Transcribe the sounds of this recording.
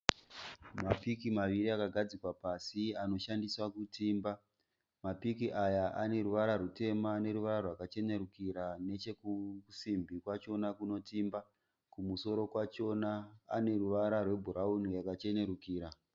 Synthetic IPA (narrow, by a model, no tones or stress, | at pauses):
mapikimaʋiɾiakaɡʱad͡zikwapasiano̞ʃandiswakutiːmba | mapikiʔajaʔane̞ɾuʋaɾarute̞mane̞ɾuʋaɾarwakat͡ʃe̞ne̞ɾukiɾane̞t͡ʃe̞kukusimbʱikwat͡ʃo̞nakuno̞tiːmba | kumuso̞ɾo̞kwanaːne̞ruʋaɾarwe̞bʱuɾaunijakat͡ʃe̞ne̞ɾukiːɾa